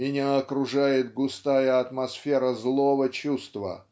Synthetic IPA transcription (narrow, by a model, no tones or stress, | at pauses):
mɪnʲaɐkɾʊʐajɪt̪̚ɡʊst̪ajəɐt̪mɐsfʲeɾəzlˠovət͡ɕust̪və̰